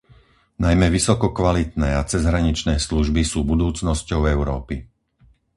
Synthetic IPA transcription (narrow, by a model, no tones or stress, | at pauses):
najmɛʋisɔkɔkʋalit̪nɛːat͡sɛzɦɾaɲit͡ʃnɛːsluʒbisuːbud̪uːt͡snɔscɔʊɛʊɾɔːpi